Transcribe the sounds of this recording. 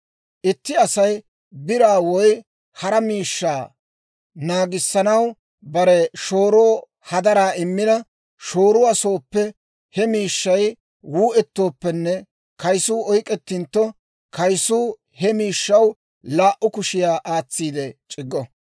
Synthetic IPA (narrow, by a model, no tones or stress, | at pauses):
ʔɪt̪ːɪɐsɐj | bɪɾaːwɔj | hɐɾɐmiːʃːaː | naːɡɪsːɐnɐw | bɐɾɛʃo̞ːɾoː | hɐd̪ɐɾaːɪmːɪnɐ | ʃo̞ːɾʊwɐsoːpːɛ | hɛmiːʃːɐj | wuːʔɛt̪ːo̞ːpːɛnːɛ | kɐjsuːɔjkʼɛt̪ːɪnt̪ːɔ | kɐjsuː | hɛmiːʃːɐw | laːʔʊkʊʃɪjaːʔaːt͡sːiːd̪ɛt͡ʃʼɪɡːɔ